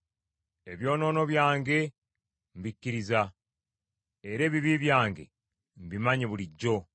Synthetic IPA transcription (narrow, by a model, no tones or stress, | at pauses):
eβjo̞ːno̞ːno̞βjaːŋɡe̞ | mbicːiɾiza | eɾe̞ːβiβiβjaːŋɡe̞̰ | mbimaɲeβuliɟːo̞